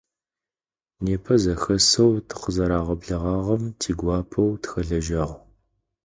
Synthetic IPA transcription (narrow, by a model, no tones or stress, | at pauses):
neːpʰɐzɐxɐsɐwtʰɨ̥qəzɐɾaːʁɐbɮɐʁɑːʁɐmtʰiːɡʷɑːpʰɐwtʰxɐɮɐʒɐʁ